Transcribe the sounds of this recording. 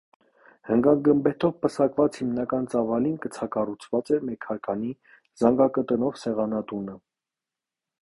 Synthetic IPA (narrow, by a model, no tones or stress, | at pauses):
həŋɡɑnɡəmbɛt̪ʰɔvpəsɑkvɑt͡shimnɑkɑnt͡sɑvɑlinkət͡sʰɑkɑrut͡sʰvɑt͡sɛmɛkʰɑɾkʰɑni | zɑŋɡɑkət̪ənɔvsɛʁɑnɑt̪unə